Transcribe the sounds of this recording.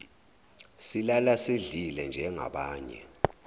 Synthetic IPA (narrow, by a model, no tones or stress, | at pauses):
silalaseɮilɛnd͡ʒʱɛŋa̰ɓaːɲɛ̰